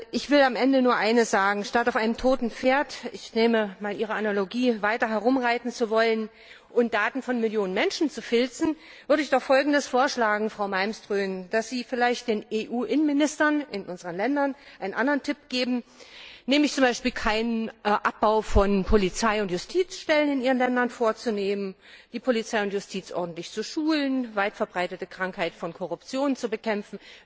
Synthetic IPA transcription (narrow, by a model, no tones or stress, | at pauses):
ʔɪçv̥ɪlamʔɛndənuːɐʔaɪnəsz̥aːɡŋ̩ʃtataʊfʔaɪnəmtʰoːtn̩p͡feːɐtɪçneːməmaːlʔiːʁ̞əanaloɡiːvaɪtɐɦɛɐʁʊmʁaɪtn̩t͡suvɔlən | ʔʊnt̚d̥aːtn̩fɔnmɪljoːnənmɛnʃn̩t͡sufɪlt͡sn̩ | v̥ʏɐɾəɪçd̥ɔχfɔlɡŋ̩dəsfoːɐʃlaːɡŋ̩fʁ̥aʊmaɪmstʁ̥øːnd̥asz̥iːfɪlaɪçt̚d̥eːneːʔuːʔɪnənmɪnɪstɐnʔɪnʔʊnzəʁənlɛndɐnʔaɪnənʔandəʁəntʰɪpɡ̥eːbm̩neːməɪçt͡sʊmbaɪʃpiːlkʰaɪnəʔap̚b̥aʊfɔnpʰolit͡saɪʊntjʊstʰiːt͡sʃtɛlənɪnʔiːʁənlɛndɐnfoːɐt͡suneːmən | d̥iːpʰolit͡saɪʊnt̬jʊstʰiːt͡sʔɔ̰ɐdn̩tlɪçt͡suʃuːlənvaɪtfɛɐbʁaɪtətəkʁ̥aŋkhaɪtfɔnkʰɔʁʊpt͡sjoːnt͡subəkʰɛmfn̩